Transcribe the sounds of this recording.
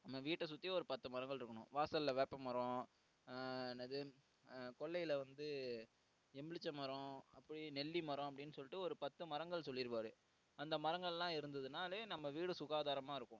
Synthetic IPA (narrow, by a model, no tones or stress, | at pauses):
nɐmːɐʋiːʈːɐs̬ʊt̪ːiɔɾɯpɐt̪ːɯmɐɾɐŋɡɐɭɪɾɯkːɐɳʊ̰̃ʋaːsɐllɐʋeːpɐmɐɾõ | ɛnːɐðɯ | kɔɭːɐjɪlɐʋɐnd̪ɯ | ɛmɪɭɪt͡ʃːɐmɐɾõɐpːɐɽinɛlːimɐɾɔ̃ɐp̬ːɐɽɪnːɯsɔlːɪʈːɯɔɾɯpɐt̪ːɯmɐɾɐŋɡɐɭsɔlːɪɾɯʋaːɾɯ | ɐnd̪ɐmɐɾɐŋɡɐɭɛlːãːɪɾɯnd̪ɐðɯnaːlɐnɐmːɐʋiːɽɯsʊɣaːðaːɾɐmaːɪɾɯkːʊ̃